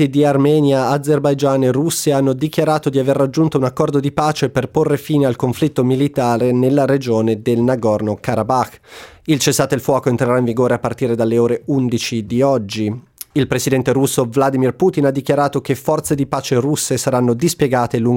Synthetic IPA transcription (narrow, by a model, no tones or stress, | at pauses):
id̪iarmɛːnjaːd̪zːerbajd͡ʒaːnerusːeanːod̪ikjaɾaːt̪od̪iaverːad͡ʒːunt̪ounakːɔrd̪od̪ipaːt͡ʃeperporːefiːnealkoɱflit̪ːomilit̪aːɾenelːaɾed͡ʒoːned̪elnaɡɔrnokaɾabaxilt͡ʃesːaːt̪oilfwɔːkoent̪ɾeɾaĩɱviɡoːɾeapːart̪iːɾed̪alːeoːɾeund̪it͡ʃid̪iɔd͡ʒːiilpɾesid̪ɛnt̪eɾusːovlad̪imirpuːt̪inad̪ːikjaɾaːt̪ok̟efːɔrt̪sed̪ipaːt͡ʃerusːesaɾanːod̪ispjeɡaːt̪eluŋ